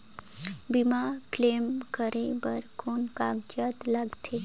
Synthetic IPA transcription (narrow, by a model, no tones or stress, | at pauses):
bimakleːmkəɾebəɾkoːnkaɡd͡ʒət̪ləɡt̪ʰe